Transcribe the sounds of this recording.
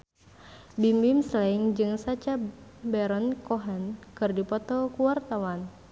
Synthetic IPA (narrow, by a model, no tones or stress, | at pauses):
bimbimslaiŋd͡ʒɨŋsat͡ʃabɛɾɔnkɔɦɛnkɨrdipɔt̪ɔkuwart̪awan